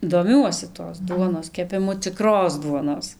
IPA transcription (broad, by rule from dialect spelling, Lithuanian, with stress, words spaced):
doːˈmʲuɔsʲɪ toːs ˈduɔnoːs kʲɛpʲɪˈmʊ t͡sʲɪˈkroːs ˈduɔnoːs